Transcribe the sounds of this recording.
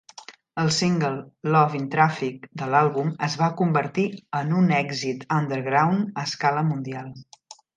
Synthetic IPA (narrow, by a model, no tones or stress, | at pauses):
əlˠsiŋɡəlˠːɔvint̪ɾafik̚d̪əlalˠβuməzβakumbəɾt̪iənunɛɡzit̪ənd̪əɾɣɾawnəskaləmund̪ialˠ